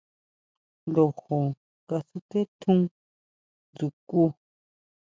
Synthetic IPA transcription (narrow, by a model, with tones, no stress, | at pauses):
lo˨ho˨ | ka˧su˧ke˦t̪ʰũ˦ | d͡zu˨ku˦˧